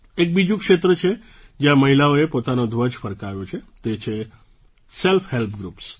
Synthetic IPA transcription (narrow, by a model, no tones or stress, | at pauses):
ek̚bid͡ʒũkʃet̪ɾət͡ʃʰe | d͡ʒjãməɦilaoepot̪anod̪ʱʋəd͡ʒfəɾkaʋjot͡ʃʰet̪et͡ʃʰe | selfʰɦelpɡɾups